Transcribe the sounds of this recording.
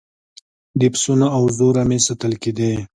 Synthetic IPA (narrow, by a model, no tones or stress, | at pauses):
d̪ɪpsunaːwzoɾamesat̪əlked̪e